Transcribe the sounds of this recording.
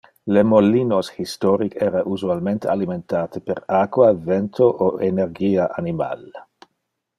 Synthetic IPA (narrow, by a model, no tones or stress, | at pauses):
lemolːiːnoshist̪ɔɾikɛːɾaʔuzualment̪ealiment̪aːt̪epeɾakwavent̪ʰoʔoenerɡiːaʔanima̰l